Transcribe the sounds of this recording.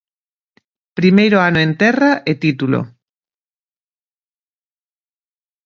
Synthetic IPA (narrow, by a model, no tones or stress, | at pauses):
pɾimejɾoanoẽnt̪ɛraʔet̪it̪ulo̰